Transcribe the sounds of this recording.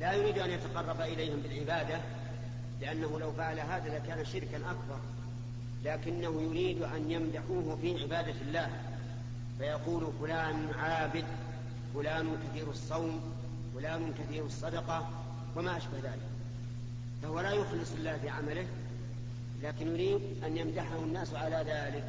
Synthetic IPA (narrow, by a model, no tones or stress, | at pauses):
lajʊɾiːd̪ʔanjat̪ɑqɑrˤːɑbaʔɪlajhɪmbɪlʕɪbaːd̪a | lɪʔanːahulawfaʕalaɦaːðalakaːnaʃɪɾkanʔakbɑɾˤ | laːkɪnːahujʊɾiːd̪ʔanjamd̪aħuːhfiːʕɪbaːd̪alːaːh | fajɑquːlfʊlaːnʕaːbɪd̪ | fʊlaːnkaθiːɾɑsˤːɑwm | wfʊlaːnʊkaθiːɾɑsˤːɑd̪ɑqɑ | wamaʔaʃbahðaːlɪk | fahʊwalajʊxlɨsˤɪlːaːfiʕamalɪh | laːkɪnjʊɾiːd̪ʔanjamd̪aħahʊnːaːsʕalaðaːlɪk